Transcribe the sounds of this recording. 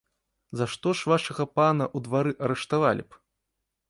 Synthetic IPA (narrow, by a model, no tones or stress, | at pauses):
zaʂt̪ɔʂvaʂɐɣɐpanɐʔud̪vaɾɨʔɐɾɛʂt̪avalʲḭp